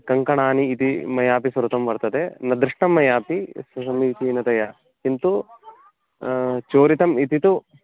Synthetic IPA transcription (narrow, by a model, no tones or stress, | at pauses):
kɐŋkɐɳaːniːt̪imɐjaːpisɐɾut̪ɐmʋɐɾt̪ɐd̪enɐd̪ɾɪʂʈɐmːɐjaːpisɐsɐmiːt̪inɐt̪ɐjɐ | kint̪u | t͡ʃoːɾit̪ɐmit̪it̪u